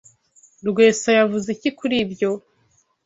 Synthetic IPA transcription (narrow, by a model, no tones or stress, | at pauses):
ɾɡwe̞ːsajavuzicikuɾiːbjo̞